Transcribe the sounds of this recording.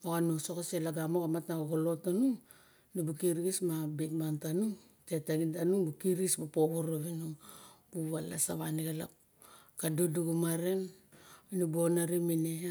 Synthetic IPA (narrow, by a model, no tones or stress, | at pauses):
okanusokaselaɡamokamatnaoɡolo̞tanu | nubukiɾɡismabitmantanuŋ | tetaɡintanubukiɾɡismapoβoɾoβinubuβala̰saβaniɡala̰ | kaduduɡumaɾen | nubuonaɾimine